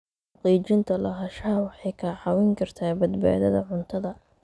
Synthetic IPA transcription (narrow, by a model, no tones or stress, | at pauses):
ħɑqiːt͡ʃɪnt̪ʰɐlɐɦɐʃaːwɑħɑjkʰaːʕɑwɪŋkʰɐrt̪ʰaːbɐd̪ba̰ːðɐðɐʕʊnt̪ʰɐðɐ